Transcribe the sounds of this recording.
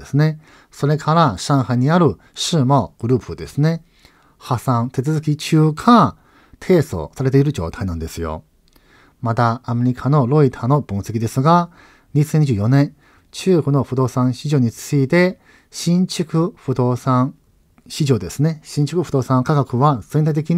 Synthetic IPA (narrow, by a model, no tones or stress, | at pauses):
esɨne̞ | so̞ɾe̞kʰaɾaɕãɰ̃haɲ̟iaɾɯ̟ | ɕɨːmaɡ̥ɯ̟ɾɯ̟ːpɯ̟d̪e̞sɨne̞ | hasãnt̪e̞t͡sɨzɨkʲit͡ɕɨːkʰa | t̪ʰe̞ːso̰ːsaɾe̞t̪e̞iɾɯ̟d͡ʑo̞̰ːt̪ʰainãnd̪e̞sɨjo̞̰ | mat̪aːme̞ɾʲikʰano̞ɾo̞it̪ʰaːno̞bõɰ̃se̞kʲid̪e̞sɨɡa | ɲisẽɲ̟iʑɨːjonẽn | t͡ɕɨːkono̞ɸɯ̟d̪o̞ːsãɰ̃ɕiʑo̞ːɲ̟it͡sɨit̪e̞ | ɕĩɲ̟t͡ɕɨkɯ̟ɸɯ̟d̪o̞ːsãŋ | ɕiʑo̞ːd̪e̞sɨne̞ɕĩɲ̟t͡ɕi̥kɯ̟ɸɯ̟d̪o̞ːsãŋkaɡakɯ̟βaz̥ẽ̞nt̪ait̪ekʲi